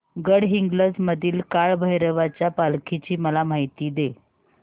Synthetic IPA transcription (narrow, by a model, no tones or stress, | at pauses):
ɡəɽɦiŋɡləd͡zməd̪ʱiːlkaɭbʱəjɾəʋat͡ɕjapalkʰit͡ɕiːməlam̤ajt̪iːd̪e